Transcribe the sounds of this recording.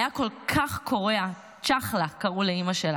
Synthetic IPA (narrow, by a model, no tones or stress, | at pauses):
jako̞lkʰaχkʰo̞ʁea | t͡ʃaχlakɐʁuleimaʃela